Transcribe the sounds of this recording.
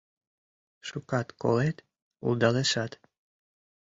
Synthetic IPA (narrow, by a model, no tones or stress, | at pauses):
ʃukɑt̪ko̰let̪ | ṵlˠd̪ɑleʃɑt̪